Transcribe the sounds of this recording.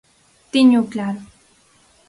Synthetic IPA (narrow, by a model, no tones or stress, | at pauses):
t̪ɪɲʊklaɾ